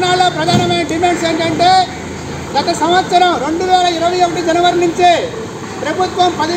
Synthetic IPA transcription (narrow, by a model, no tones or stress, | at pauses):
naːloːpɾɐd̪ʱaːnɐmɐjnɐɖimeɳseːɳʈɐɳʈeː | ɡɐt̪ɐsɐmɐt̪sɐɾɐmɾe̞ɳɖuʋɛːlɐiɾɐʋɐjokːɐʈid͡ʒɐnɐʋɐɾɳiɲt͡ʃeː | pɾɐbʱut̪ʋɐmpɐði